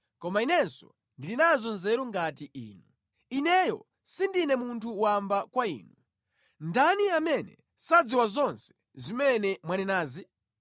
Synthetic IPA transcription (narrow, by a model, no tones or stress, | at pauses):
kɔmainɛnsɔ̰ | ndilinazɔnzɛɾuŋɡatiʔḭːnu | inɛjɔ | sindinɛmuntʰuːwambakwaḭːnu | ndaniamɛnɛ̰ | sad͡ziwazɔnsɛ̥ | zimɛnɛmwanɛnaːzi